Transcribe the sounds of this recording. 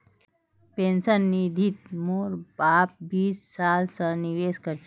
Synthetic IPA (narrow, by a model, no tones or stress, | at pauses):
pensənːid̪ʱit̪̚moɾbaːp̚biːsːaːlsəniʋeːskəɾt͡ʃ